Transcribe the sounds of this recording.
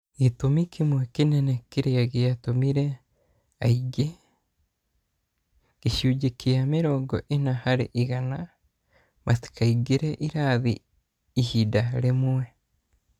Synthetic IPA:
itomikʰimwekinenekiɾeaɣejatomiɾe | aiɡe | ɣ̥iʃuːɟekeameɾɔɡɔ̰ʔenahaɾḛʔiɣana | masi̥kaiɡeɾeʔiɾaðḭː | hidaɾemwe

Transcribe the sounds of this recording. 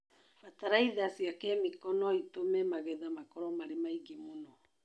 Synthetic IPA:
fataɾaiðasiakɛmikɔnɔitomɛmaɣɛðamakɔɾɔmaɾemaiɡemonɔ

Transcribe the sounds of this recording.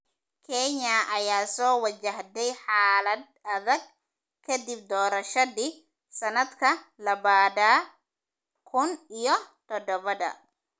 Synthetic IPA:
kʰɛɲɐʔɐjaːsɔːwɐt͡ʃɐɦd̪ɛjħaːlɐd̪ɐðɐɡ̚ | kʰɐd̪ɪb̚d̪ɔːɾɐʃɐðiː | sɐnɐd̪kʰɐlɐβaːd̪a | kʰʊnijɞt̪ʰɔd̪ɔβɐðɐ̰

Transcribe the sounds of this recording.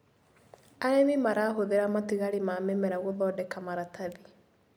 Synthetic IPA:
aɾenemaɾaːɦoðeɾamatiɣaɾemamɛmɛɾaɣoðɔːdɛkamaɾataði

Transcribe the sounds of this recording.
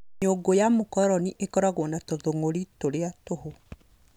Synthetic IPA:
ɲoɡojamokɔɾɔniʔekɔɾaɣwɔnatoðoŋoɾitoɾeatoho

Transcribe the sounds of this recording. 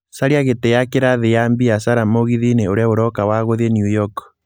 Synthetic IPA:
saɾiaɣetejakeɾaðejambiasaɾamoɣiðineoɾeaoɾɔkawaɣoðenjujɔk

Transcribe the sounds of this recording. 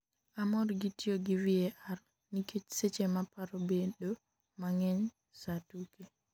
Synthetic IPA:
ʔamɔɾɡitːijɔɡiviɛʔaɾ | niket͡ʃsɛt͡ʃɛmapːaɾɔbɛɗɔ | maŋɛɲ | satukɛ

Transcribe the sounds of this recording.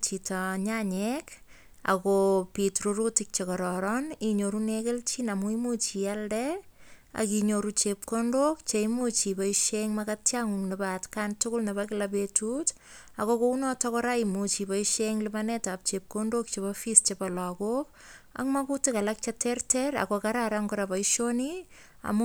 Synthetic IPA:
t͡ʃitaɲaɲek | a̰kopitruɾutɪk̚t͡ʃekɔɾɔɾɔniɲoɾunekelt͡ʃinamuimut͡ʃialdɛ | a̰kiɲoɾut͡ʃep̚kondok̚t͡ʃeimut͡ʃipaiʃeŋmakatjaŋuŋnibatkantʊkʊlnebakɪlapetut | akokounɔtɔkɔɾaimut͡ʃipaiʃeŋlimanetap̚t͡ʃep̚kondok̚t͡ʃeβafist͡ʃepalakok | a̰kmakutikalak̚t͡ʃatertɛɾa̰kokaɾaɾaŋkɔɾapaiʃoni | a̰mu

